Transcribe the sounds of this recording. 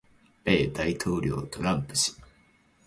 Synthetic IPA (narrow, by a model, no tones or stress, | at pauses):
b̥e̞ːd̪ait̪ʰo̞ːɾʲo̞ːt̪o̞ɾãmpɯ̟̥ɕi̥